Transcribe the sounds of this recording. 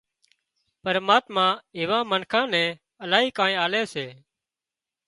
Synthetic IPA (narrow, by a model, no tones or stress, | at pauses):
pəɾmaːt̪mãːɪːʋãːmənkʰãːnɛ̃ː | əlaːɦiːkãːẽːaːleːseː